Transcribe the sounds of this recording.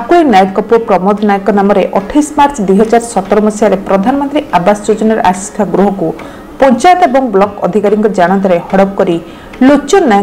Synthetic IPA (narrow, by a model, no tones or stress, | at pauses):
akuinajʈkɔpɔpɾɔmɔd̪ʱɔnajɔkɔnamɔɾeʔɔʈʰajsmaɾt͡ʃɔd̪ujɦɔd͡ʒaɾsɔt̪ːɔɾɔmɔsjaɾepɾɔd̪ʱanmɔnt̪ɾiʔabasɔd͡ʒod͡ʒɔnaɾʔa̰si̥sʈʰaɡɾuɦɔku | pɔnt͡ʃajt̪ɔebɔŋblɔkɔd̪ʱikaɾiŋkɔd͡ʒaɽ̃ɔnt̪ɔɾehɔɽɔb̚kɔɾi | lot͡ʃɔna